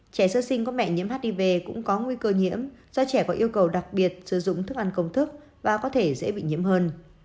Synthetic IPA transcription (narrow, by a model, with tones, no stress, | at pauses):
t͡ɕɛ˧˩səː˧sï˧ŋ̟kmɛ̰˧˨ɲi˧˥mɦaː˦˥t̚ɗi˧˩ve˨˩kʊ̰˧˥ŋ͡mkɔ˨˦ŋwi˧kəː˧ɲḭ˧˥əmz̥ɔ˧t͡ɕɛ˧˩kɔ˨˦ʔi˧əwkə˨˩wɗa˨˩k̚ɓi˨˩ət̚sɨ˧˩zʊ̰˧˨ŋ͡mt̪ʰɨ˦˥ək̚ʔa˧˩nkə˧wŋ͡mt̪ʰɨ˦˥k̚ | vaː˨˩kɔ˨˦t̪ʰe˧˩zḛ˧˥ɓḭ˧˨ɲḭ˧˥əmhəː˧n